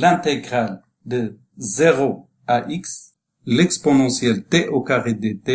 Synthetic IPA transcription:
lɛ̃t̪eɡʁal | d̪ə | zeʁo | aʔiks | lɛkspɔnɑ̃sjɛlt̪eʔokaʁed̪et̪e

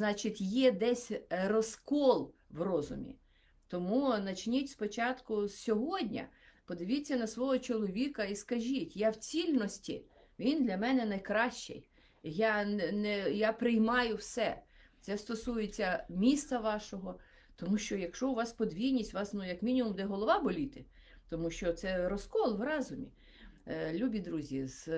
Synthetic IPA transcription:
znɑt͡ʃɪtʲjɛd̪ɛsʲrɔskɔlˠwrɔzʊ̰mʲḭ | t̪ɔmunɐt͡ʃnʲitʲspɔt͡ʃɑt̪kʊsʲsʲɔɦɔdʲnʲɐ̰pɔd̪ɪʋʲit͡sʲːɐnɐsʋɔɦɔt͡ʃɔlˠɔʋʲikɐiskɐʒʲitʲjawt͡sʲilʲnɔsʲtʲḭ | ʋʲind̪lʲɐmɛnɛnɐjkɾɑʃt͡ʃɛ̰j | jɑnɛjɑpɾɪjmɑjʊwsɛt̪sɛst̪ɔsujet͡sʲːɐmʲist̪ɐʋɑʃɔɦɔ | t̪ɔmuʃt͡ʃɔjɐkʃɔʊʋɑspɔd̪ʲʋʲijnʲisʲtʲʋɑsnʊjɐkmʲinʲimumd̪ɛɦɔlˠɔʋɑbɔlʲit̪ɪ | t̪ɔmuʃt͡ʃɔt̪sɛɾɔskɔlˠʋrɑzʊmʲḭ | lʲubʲid̪ɾuzʲiz̥

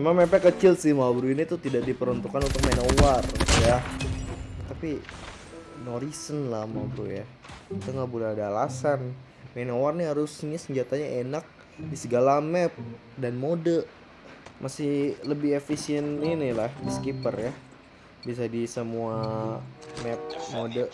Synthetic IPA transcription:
memaŋmɛpakət͡ʃɪlsɪhmabɾuinit̪ut̪idak̚dipəɾunt̪ukanunt̪ʊk̚menowarja | t̪api | noɾisənlahmabɾuja | it̪uŋɡaʔbolɛhadaːlasan | menowarniɦaɾʊsɲasəɲd͡ʒat̪aɲaʔenak̚ | disəɡalamɛp̚ | danmodəʔ | mʔasɪhləbɪhefisiɛninilahdiskipərjah | bias̬adisəmua | mɛp̚modə

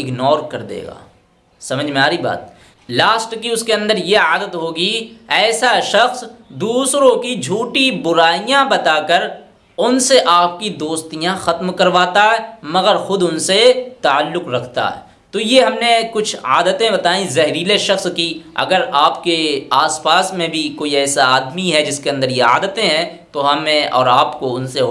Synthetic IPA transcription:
ɪɡnɔːɾkɐɾd̪ḛːɡa̰ː | sɐməd͡ʒʱmẽaːɾiba̰ːt̪̚ | laːsʈkiʊskeɐ̃nd̪əɾjeaːd̪ət̪ɦoːɡiɛːsaʃɐxsd̪uːsɾõkid͡ʒʱuːʈibʊɾaːijãbɐt̪aːkəɾ | ʊnseʔaːp̚kid̪oːst̪ijãxɐt̪mkɐɾʋaːt̪aɦɛːmɐɡəɾxʊd̪ʊnset̪aːəlːʊkɾɐkʰt̪a̰ɦɛ̰ː | t̪ojeɦɐmnekʊt͡ʃʰa̰ːd̪ət̪ẽbɐt̪aːĩzɐɦɾiːleʃɐxskiɐ̰ɡəɾaːpkeaːspaːsmẽbʱikoːiɛːsaaːd̪miɦɛd͡ʒɪskeɐ̃nd̪əɾjea̰ːd̪ət̪ẽɦɛ̃ | t̪oɦɐmẽɔ̰ːɾaːpkoʊnse

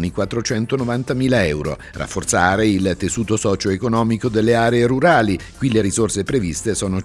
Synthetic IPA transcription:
nikwat̪ːɾot͡ʃɛnt̪onovant̪amiːlaɛwɾo̰ | ra̰fːort̪saːɾeilt̪esuːt̪osɔːt͡ʃoekonɔːmikod̪elːeaːɾeːɾuɾaːlikwileɾizorsepɾevist̪esoːno

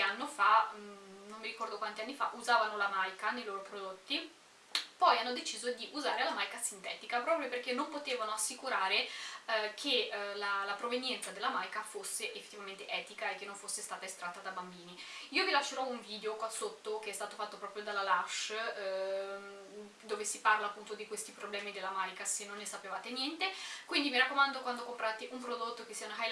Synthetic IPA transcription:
anːofa | nomːiɾikɔrd̪okwant̪ianːifa̰ʔuzaːvanolamajkanejloːɾopɾod̪ot̪ːi | pɔjanːod̪et͡ʃiːzod̪iʔuzaːɾelamajkasint̪ɛ̰ːt̪ikapɾɔːpɾjoperkenːompot̪eːvanoasːikuɾaːɾe | kʰelalapɾovenjɛnt̪sad̪elːamajkafosːeʔefːe̥t̪ːivament̪eʔɛːt̪ikaekːenːoɱfosːest̪aːt̪aest̪ɾat̪ːad̪abambiːniiːovilaʃːeɾɔuɱviːd̪eokwasot̪ːok̟eɛst̪aːt̪ofat̪ːopɾɔːpɾjod̪alːalaʃ | d̪oːvesiparlaːpːunt̪od̪ikwest̪ipɾoblɛːmid̪elːamajkasenːonːesapevaːt̪enjɛnt̪ekwind̪imiɾakːomand̪okwand̪okompɾat̪eʔumpɾod̪ot̪ːokesːiːaunaxaj

